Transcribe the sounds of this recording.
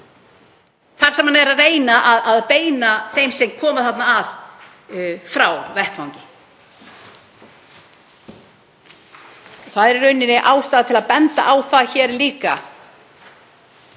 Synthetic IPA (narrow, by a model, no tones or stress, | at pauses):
θaɾ̥sɛmhanɛɾaðreːjnaʔaðaðpeːjnaθejmsɛmkʰɔːmaθat̪naːv | fɾawvɛhpfawɲcɪ̥ | ɔθaðɛɾɛɾœɥnːɪnɪʔaːwst̪aːðat̪ʰɪlaðpɛnt̪a̰ʔawθaðçɛːɾliːka̰